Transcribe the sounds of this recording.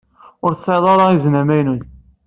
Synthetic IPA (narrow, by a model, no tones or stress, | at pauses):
ʊɾθsˤeðˤɑɾˤɑiznæmæjnun